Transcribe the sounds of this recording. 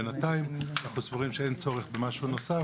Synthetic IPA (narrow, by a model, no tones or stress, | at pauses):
enataimnaχnusvoʁimʃeejnt͡soʁeχbemaʃunosa